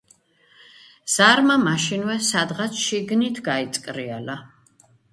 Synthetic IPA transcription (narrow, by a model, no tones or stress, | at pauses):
z̥aɾmamaʃinwɛsad̪ʁat̪sʰʃiɡnit̪ʰɡait̪sʼkʼɾiala